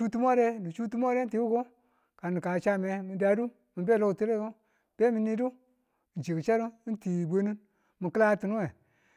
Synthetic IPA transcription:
u˦tu˦mo˦ɾe˦ni˨t͡ʃu˦t̬u˦mo˦ɾe˦ti˨˦u˦ko˦ | ka˨ni˨ka˨t͡ʃa˦me˨mi˨da˨du˦ | mi˨be˦˨lo˦ktu˦le˦ko˦ | b̥e˦mi˨ni˦du˦˨ | n̩˨t͡ʃi˨ki˨t͡ʃa˦ɾu˦i˦n˦ti˨be˦ni˦n | mi˨kɨ˦la˦ti˨nu˦we˨

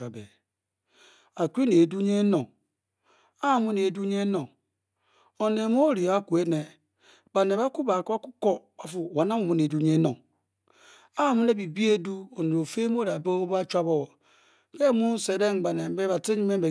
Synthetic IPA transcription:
a˨bḛ˨ | a˨kʷi˦ne˨du˦ɲe˦no˨ŋ | a˦˨mu˦ne˨du˦ɲe˦no˨ŋ | o˨ne˨m˦o˦ɾi˨a˦ku˨e˦ne˨ | ba˨ne˨βa˦ku˦ba˨ka˦ku˦ko˦ba˨fu˨wa˨na˦mu˨mu˦ne˨du˦ɲe˦no˨ŋ | a˦˨mu˦ne˦bi˨bi˦e˦du˦o˨ne˨ɾo˨fe˦m˦o˦ɾi˨a˨bo˦ba˦t͡ʃʷa˦bo˦˨wo˨ | ke˦mu˦n˦se˨ɾe˦ŋ˨ba˨ne˨m˦be˦βa˨te˦ɲi˦me˦be˨

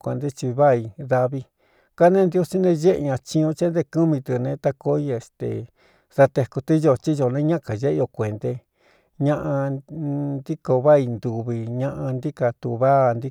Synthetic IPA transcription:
kʷe˨nd̪e˦t͡ʃi˧βa˦i˧ða˧βi˧ | ka˦nẽ˦nd̪jo˦˧si˦nẽ˧ʒe˦ʔɲã˧t͡ʃĩ˧ũ˧t͡ʃe˦nd̪e˧ku˦mĩ˧t̪ɨ˧nẽ˧˦t̪a˧ko˧˦i˦e˨st̪ḛ˨ | ða˧t̪e˧ku˧t̪i˦ʒo˧˨t͡ʃi˦ʒo˧˨nẽ˦ɲã˦ka˨ʒe˦ʔo˧˨kʷe˨nd̪e˧ | ɲã˦˧ʔã˧nd̪i˦ko˧βa˦i˧nd̪u˨βi˧ɲã˧ʔã˧nd̪i˦ka˧t̪u˧βa˦˨nd̪i˦

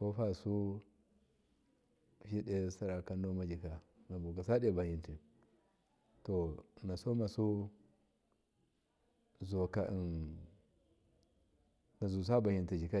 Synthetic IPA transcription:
ko˦fa˦su˦˨ | ʃi˦ɗe˦sa˦ɾa˨ka˦nːo˦ma˦d͡ʒi˨ka˨ | na˨bu˨ka˨sa˦de˦ba˨ji˨nti˨ | to˨na˨so˦ma˨su˦ | zu˨a˨ka˨i˨n | na˨zu˨s̬a˦ba˨hi˨nti˨d͡ʒi˨ka˦˨

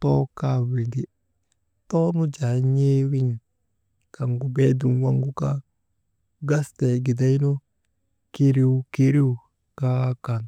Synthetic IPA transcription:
tɔ˦ka˦wi˨di˨ | tɔ˦nu˦d͡ʒa˨ɲe˦wi˦ɲ˨ | ka˨ŋɡu˨be˦du˨nwa˦ŋɡu˦ka˦ | ɡa˦ste˨ɡi˨da˦jno˦ | ki˦ɾi˦ki˦ɾi˦wu˨ | ka˦ka˨n

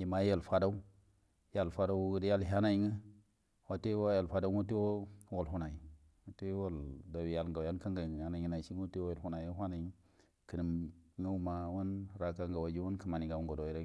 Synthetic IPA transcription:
ji˨ma˦ja˦˨lfa˦da˦u˦ | ja˨lfa˦da˦wɡə˦dja˦˨lɦʲa˦na˨i˦ŋə˦ | wa˨˦te˦wa˦ja˨lfa˦da˦u˦ŋo˦ti˦wo˦wo˨lɦu˦na˨i˨ | o˨˦te˦wo˦˨lda˨wi˨ja˨lŋɡa˨wja˦nka˦ŋɡa˨ŋ˨ja˦na˨˦i˦na˨i˨t͡ʃi˦ŋo˦ti˦wo˦jo˨lhu˦na˨˦o˦ɦʷa˦na˨˦ | kə˨nə˨mŋə˦wu˦ma˨wu˦nɾa˨ka˦ŋɡa˨wa˨d͡ʒi˦wu˦kə˨ma˨ni˨ɡa˨wu˨ŋɡo˨do˨i˦ɾa˦

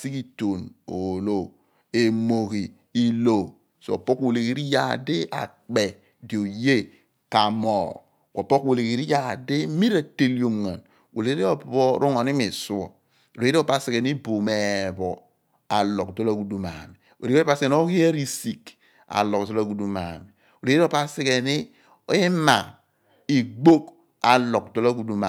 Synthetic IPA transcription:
si˦ki˦to˨no˨lo˦ | e˨mo˨ɣi˨ | i˦lo˨ | so˨o̰˨po˦ko˨le˨ɣi˦ɾi˦ja˨di˦ʔa̰˨ | k͡pe˨ | di˨o˨je˦ | ka˨mɔ˨ | ko˨pɔ˦kwo˨le˨ki˨ɾi˦ja˨di˦mi˦ɾa˨te˦li˦o˨mŋa̰˨n | wo˨le˨e˦i˦o˨bbo˦ɾu˦ŋɔ˨ni˦mi˨su˦ɔ̰˨ | o˨le˨˦e˦i˦o˦pa˦˨si˨ke˨ni˦bo˨me˨bɔ˨ | a˨lɔ˨kdo˦la˦ɡu˨du˦ma˨mi˨ | o̰˨le˨˦pa˦se˨n˦o˦ɣi˦e˦ɾi˦si˨k | a̰˨lɔ˨kzo˦la˦˨ɡu˨du˦ma̰˨mi˨ | o˨le˨˦o˦˨pa˦si˦ke˨ni˦ | i˦ma˨ | i˨ɡ͡bo˦k | a˨lɔ˨k̚do˦la˦ɡu˨du˦ma̰˨

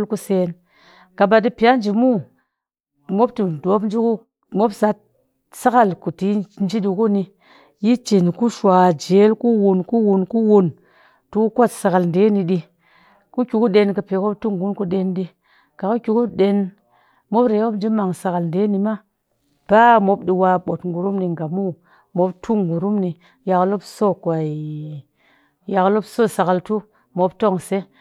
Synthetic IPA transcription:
lku˦se˨n | ka˨ba˨d̬i˦pi˨ja˦nd͡ʒi˨mu˦ | mo˦pti˨do˨˦pn˦d͡ʒi˦ku˦ | mo˦psa˦t̚ | sa˦ka˨lku˨ti˨˦n˦d͡ʒi˦ɗi˧ku˦ni˧ | ji˦t͡ʃi˨nku˦ʃwa˨d͡ʒe˨˦lku˦wu˨nku˦wu˨nku˦wu˦n | tu˧˦ku˦ko˦˨tsa˨ka˨ln˨de˦ni˧ɗi˧ | ku˦kʲu˨ku˦ɗe˧nkə˨pe˨ko˦b̚tu˦ŋɡu˦nku˧ɗe˧nɗi˧ | ka˨ku˦kʲu˨ku˦ɗe˦n | mo˦pɾe˨˦wo˦bd͡ʒi˦ma˨ŋsa˨ka˨lnde˦ni˨ma˦ | b̥a˦mo˦bɗi˧wa˧ɓo˨tŋɡu˨ɾu˦mni˨ŋɡa˨mu˦˨ | mo˦btʰu˦ŋɡu˨ɾu˦mni˨ | ja˨klo˦bso˦˨kwa˨i˨ | ja˨klo˦bso˦˨sa˨ka˨ltu˦ | mo˨bto˦˨ŋse˦

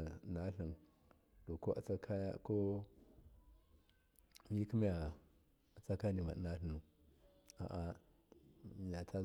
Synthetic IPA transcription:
na˦ɬi˨n | d̥o˨ko˦ʔa̰˨t͡sa˦kʰa˦ja̰˦ko˦ | mi˦ku˦m˦a˨ | a˨t͡sa˦ka˦ni˨ma̰˨na˦ɬə˨nu˨ | a̰˨ʔa˨ | m˨ja˨ta˦

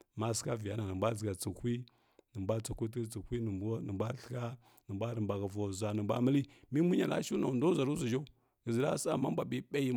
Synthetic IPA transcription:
ma˦ska˦vi˨ja˦na˨nə˨mba˦d͡zə˨ɡa˨t͡sə˨hʷi˦ | nə˨mba˦t͡sa˨kʷu˦t̬t͡sə˨hʷi˦˨˦nə˨ba˦ɬə̥˦ka˦ | nə˨ba˦ɾə˨mba˨ɡa˨vo˨za˨nə˨mbʷa̰˦mə˦li˦mi˦mu˦ɲa˨la̰˦ʃu˦na˨ndo˦za˨ɾu˦za˨d͡ʒo˦u˦ | ɡə˨zə˨ɾa˦sa̰˦˨ma˦bʷa˨ɓi˦ɓa˦ji˦

